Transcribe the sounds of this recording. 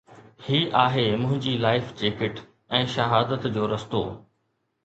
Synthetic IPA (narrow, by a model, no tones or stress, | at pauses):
hiːʔaːɦemʊ̃ɦɪ̃ɲd͡ʑilaːɪfd͡ʑeːkɪʈ | ɛ̃ːʃɐɦaːd̪ət̪d͡ʑoːɾɐst̪o̰ː